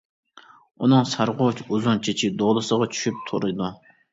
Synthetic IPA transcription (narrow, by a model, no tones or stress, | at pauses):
unɨŋsɑɾʁot͡ʃuzunt͡ʃʰet͡ʃʰid̪oʁlˠɨsəʁɑt͡ʃʰy̥ʃyp̚t̪ʰoɾɨd̪u